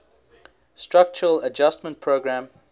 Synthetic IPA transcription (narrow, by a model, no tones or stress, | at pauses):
stɹak̚t͡ʃəɹələd͡ʒastmə̃nt̚pʰɹoɡɹæ̃m